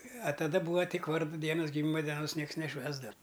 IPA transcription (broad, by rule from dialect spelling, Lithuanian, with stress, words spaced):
ɐ tɐˈdɐ ˈbuːʋɐ ˈtʲɪk ˈʋɐrdʊ ˈdʲiɛnʊs ɡʲɪˈmʲiːmɐ dʲɛˈnoːs ˈnʲiɛks nʲɛˈʃʲʋʲæːzdɐw